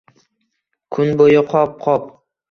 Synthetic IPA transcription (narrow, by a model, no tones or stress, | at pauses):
kʰʊnbojɪqʰɒp̚qʰɒp̚